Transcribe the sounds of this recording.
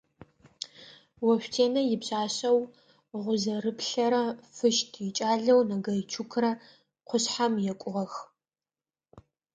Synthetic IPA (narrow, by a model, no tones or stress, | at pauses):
wɐɕʷᶣtʰeːnɐjɪpɕʼaːɕɐw | ʁʷʊzɐrɨpɬɐɾɐfɨʃtʰjɪt͡ʃʼaːɮɐwnɐɡɐjt͡ʃʰukʰrɐ | qʷʊɕħamjɛkʷʼʊʁɐx